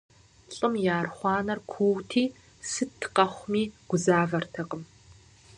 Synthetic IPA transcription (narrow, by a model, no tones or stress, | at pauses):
ɬʼɨmjaːrχʷɑːnɐrkʷʰuːwtʰiː | sɨtʰqɐχʷmiːɡ̥ʷʊzaːvɐrtʰɐqʼəm